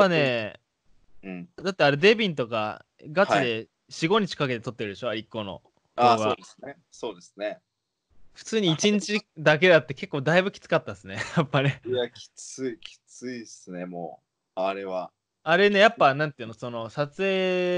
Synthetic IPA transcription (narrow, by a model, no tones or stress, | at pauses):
pːane̞ | ɯ̃d̪at̪ːe̞aɾe̞d̪e̞bʲĩnt̪o̞ka̰ | ɡaid̪e̞ | ɕiɡo̞ɲ̟it͡ɕi̥kake̞t̪e̞t̪o̞t̪ːe̞ɾɯ̟d̪eɕo̞aɾʲikːo̞ːno̞̰ | haβaoːese | so̞ːd̪esɨne | ɸɯ̟̥t͡sɨːɲ̟iit͡ɕĩɲ̟t͡ɕid̪ak̬e̞d̪at̪ːe̞ke̞kːo̞ːd̪aibɯ̟kʲi̥t͡sɨ̥kat̪ːasɨnejapːane̞jakʲʰi̥t͡sɨikʲi̥t͡sɨisɨne̞mo̰ː | aɾe̞βa | aɾe̞ne̞japːanãnt̪ːeɯ̟noso̞no̞sat͡sɨe̞ː